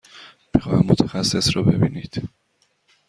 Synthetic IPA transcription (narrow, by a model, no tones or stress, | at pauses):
m̥ixɒːhæmmot̪ʰæxæsːe̞sɾɒbe̞̰biːniːd̪̥